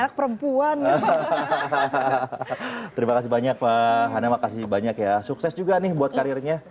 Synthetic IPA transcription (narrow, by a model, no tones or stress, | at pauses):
nak̚pəɾəmpuan | t̪əɾimakas̬ɪhbaɲak̚paɦanamakasɪbaɲakjasuksɛsd͡ʒuɡanɪhbuat̪̚kaɾirɲa